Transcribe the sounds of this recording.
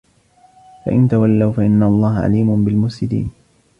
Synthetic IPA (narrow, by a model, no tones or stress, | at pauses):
fa̰ʔɪnt̪awalːawfaʔɪnːaɑlˤːɑːɦaʕa̰liːmʊnbɪlmʊsɪd̪ḭːn